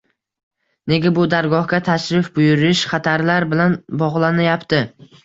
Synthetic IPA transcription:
ne̞ɡʲabʊd̪aɾɡɒhɡʲat̪ʰaʃɾɪfbʊjʊɾɪʃχat̪ʰaɾlaɾbɪlanbɒʁlˠanajapt̪ʰɪ

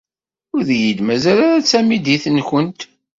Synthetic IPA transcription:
ʊɾðjid̪mæzælaɾæt͡sːæmid̪iθənçənt̪

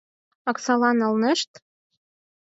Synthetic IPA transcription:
ɑksɑlɑnɤ̆lnĕʃt̪

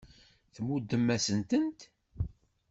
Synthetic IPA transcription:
θəmud̪ːəmːæsənt̪ənt̪

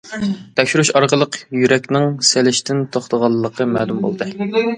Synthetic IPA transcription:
t̪ʰɛkʲʃyɾyʃɑɾqəlˠəqjyɾɛkʲnɪŋselɪʃt̪ʰɪnt̪ʰoχt̪əʁɑlˠːəqʰəmæːlumbo̰lˠd̪ɨ

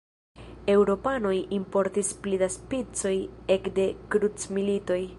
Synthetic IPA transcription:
e̞wɾo̞pano̞jimpo̞ɾtisplidaspit͡so̞je̞kde̞kɾut͡smilito̞j

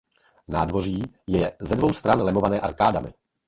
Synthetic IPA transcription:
naːdvo̞r̝iːjɛzɛdvo̞wst̪ɾanlɛmo̞vanɛːʔaɾkaːdamɪ̰

